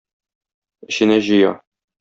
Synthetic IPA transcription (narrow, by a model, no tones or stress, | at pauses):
ɘ̆ɕɘ̆næʑɤ̆jɑ